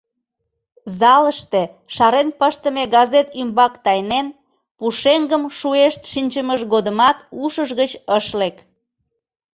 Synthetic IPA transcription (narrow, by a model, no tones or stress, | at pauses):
zɑləʃt̪e | ʃɑɾenpəʃt̪əmeɡɑzet̪ymbɑkt̪ɑjnen | puʃeŋɡəmʃueʃt̪ʃinʲt͡ɕəməʃɣod̪əmɑt̪uʃəʒɣət͡ɕəʃlek